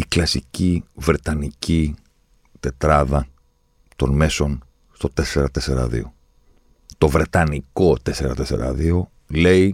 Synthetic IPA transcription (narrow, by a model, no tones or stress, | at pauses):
iklɐsicivɾe̞t̪ɐnici | t̪e̞t̪ɾɐðɐ | t̪o̞nme̞so̞n | st̪o̞t̪e̞seɾɐt̪e̞seɾɐ̰ðḭo̞ | t̪o̞vɾe̞t̪ɐniko̞t̪e̞se̞ɾɐt̪e̞se̞̰ɾɐ̰ðio̞ | le̞i